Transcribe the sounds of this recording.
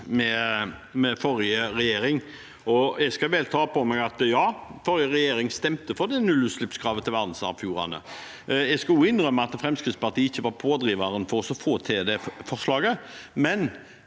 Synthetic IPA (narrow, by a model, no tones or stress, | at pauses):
mɛmɛfɔɾjəɾɛjeːɾɪŋ | ɔjɛɡskɑʋɛːlt̪ʰɑːpɔmɛɡɑt̪jɑːfɔɾjəʁɛjeːɾɪŋst̪ɛmt̪əfɔɾd̪ɛnʉlːʉːslʉpskʰɾɑːʋət̪ʰɪlʋæʁd̪n̩sɑ̰ʋfjuːɾɑ̰nə̰ | jɛɡskɑlʊɪnʁœmːəɑt̪fɾɛmskʁɪt̪spɑʁt̪ʰiːəɪçːəʋɑɾpʰoːd̪ɾiːʋɑɾənfɔɾɔsɔfoːt̪ʰed̪ɛfɔʂlɑːɡəmɛn